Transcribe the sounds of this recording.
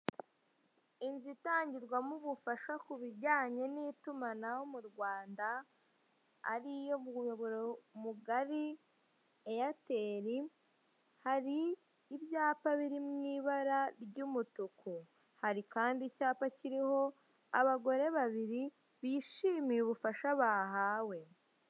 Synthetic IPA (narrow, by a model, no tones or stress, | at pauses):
inzitaːɲɟiɾɡwamuβufaʃakuβiɾɟaːɲe̞nitumanahomuɾɡwaːnda | ɾijo̞moβoɾomuɡaɾi | ejate̞ːɾi | haɾiː | βjaːpaβiɾimŋiːβaɾaɾɟumutukʰu | haɾikaːndicaːpaciɾiho̞ | aβaɡo̞ɾe̞βaβiɾi | βiːʃiːmijuβufaʃaβaːɦaːwe̞